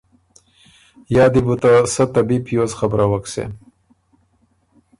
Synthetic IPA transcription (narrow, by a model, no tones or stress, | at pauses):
jɑːd̪ibut̪asat̪ɐbipʰjozxabɾawaksḛ